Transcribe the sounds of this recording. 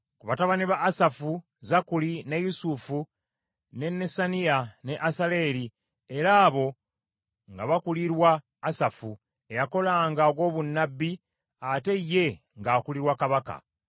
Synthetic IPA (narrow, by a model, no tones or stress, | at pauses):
kuβataβaniβaʔːsafu | zakulinejusufu | ne̞nːesaniane̞ʔasale̞ːli | e̞ɾaːβo̞ | ŋɡaβakuliɾwaː | safu | e̞jako̞laːŋɡaɡo̞ːβunːabːi | ate̞jːe̞ | ŋɡaːkuliɾwakaβaka̰